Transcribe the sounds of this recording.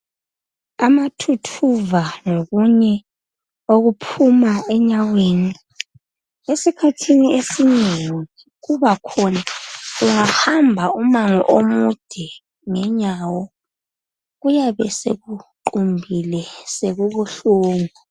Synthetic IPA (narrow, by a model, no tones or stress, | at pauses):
amatʰutʰuvaŋoɣuɲɛ | oɣupʰumaɛɲaweːni | esikʰatʰiniesineŋii | ɣuβakʰɔnauŋahambʱaumaŋɔ̰ʔomud̥ʱɛ | ŋɛɲawɔ | ɣujaβɛseɣuǃumbʱilɛseɣuβuɬuːŋu